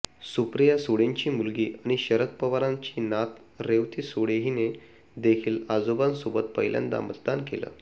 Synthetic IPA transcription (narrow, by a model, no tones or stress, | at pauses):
supɾjasoɽẽɲt͡ɕiːmulɡiːʔaɽ̃iɕəɾət̪̚pəʋaɾãɲt͡ɕiːnat̪ | ɾeʋt̪iːsoɽeɦine | d̪ekʰiːlad͡zobansubət̪̚pəɦjlja̰nd̪a̰mət̪d̪ankelə̰ː